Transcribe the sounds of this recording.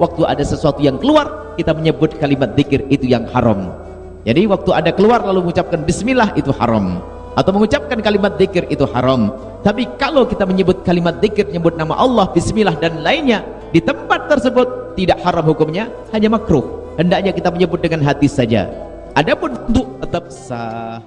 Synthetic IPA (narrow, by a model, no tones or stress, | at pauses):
wak̚t̪uʔa̰dasəsuat̪ujaŋkəluar | kit̪aməɲəbʊt̪̚kalimat̪̚ðɪkɪrit̪ujaŋha̰ɾɔ̰m | d͡ʒadiwak̚t̪uʔadakəluarlaluməŋut͡ʃap̚kanbɪsmilaɦit̪uha̰ɾɔm | ʔat̪awməŋut͡ʃap̚kankalimat̪̚ðɪkɪrit̪uha̰ɾam | t̪apikalowkit̪aməɲəbʊt̪̚kalimat̪̚ðɪkɪrɲəbʊt̪̚nama̰ʔɑlˠːɑhbɪsmilahdanlaɪnɲa | dit̪əmpat̪ːərsəbʊt̪ːidaʔhaɾamhukʊmɲa | haɲamakɾʊhhəndaʔɲakit̪aməɲəbʊt̪̚dəŋanɦat̪isad͡ʒa̰ | ʔadapʊnunt̪ʊʔ̚t̪ət̪əp̚sah